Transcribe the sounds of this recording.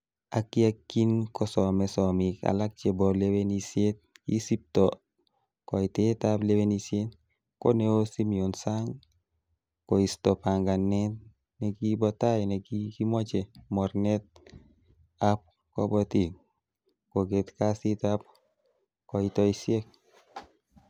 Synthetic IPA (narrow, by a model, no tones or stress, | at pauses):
akiakːinkɔsɔmɛsɔmika̰lak̚t͡ʃebɔlewenisjet̪̚kḭsip̚tɔ | kɔitetaplewenisjet | ko̰neosimionsaŋ | koist̪ɔpaŋɡanɛt | neɡibɔt̪aenɛɡikimɔt͡ʃemɔɾnɛt̪̚ | ap̚ | kɔ̰bɔtiŋ | koɡet̪kasit̪ap̚ | kɔitɔisjek̚